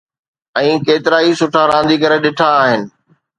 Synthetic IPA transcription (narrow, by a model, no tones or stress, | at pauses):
ɛ̃ːkeːt̪ɪɾaːisʊʈʰaɾãːnd̪ikɐɾeɗɪʈʰaːɦɪnɪ̆